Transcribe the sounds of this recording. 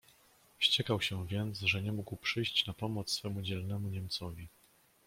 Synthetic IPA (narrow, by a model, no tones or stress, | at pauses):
fɕt͡ɕɛkawɕɛvʲjɛnt̪sʐɛɲɛmuɡwpʂɘjɕt͡ɕnapɔmɔt̪ssfɛmud͡ʑɛlnɛmuɲɛmt̪sɔvʲi